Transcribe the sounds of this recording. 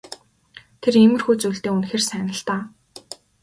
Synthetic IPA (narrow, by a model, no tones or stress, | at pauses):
t̪ʰeremɘ̆rxuːt͡suːɮt̪eːunxeːrsæːnə̆ɬt̪aː